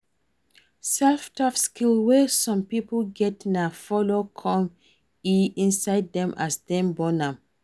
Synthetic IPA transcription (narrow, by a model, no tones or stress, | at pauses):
sɛlftafskilwɛsɔ̃mpipoɡɛtnafɔlokʰɔ̃m | iĩnsaɪdːɛ̃mʔasdɛ̃mbɔnãm